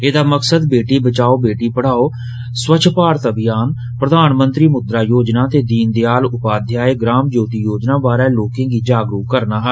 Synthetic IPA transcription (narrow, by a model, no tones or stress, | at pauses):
eːd̪aːməksəd̪beːʈiːbət͡ʃaːoːbeːʈiːpəɽ̤aːoː | swət͡ʃʰpaːɾət̪əbɪjaːn | pɾəd̪aːnmənt̪ɾiːmʊd̪ɾaːjoːd͡ʒnaːt̪eːd̪iːnd̪eaːlʊpaːd̪ʱjaːeːɡɾaːmd͡ʒoːt̪iːjoːd͡ʒnãːbaːɾɛːloːkẽːɡiːd͡ʒaːɡɾuːkkəɾnaːɦɛ